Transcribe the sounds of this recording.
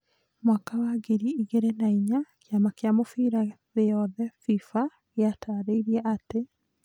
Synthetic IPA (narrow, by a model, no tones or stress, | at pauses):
mwakawaɡeɾiiɣeɾenaiɲakeamakeamofiɾaðejɔðɛfifa | ɣeataɾeɾiɛʔate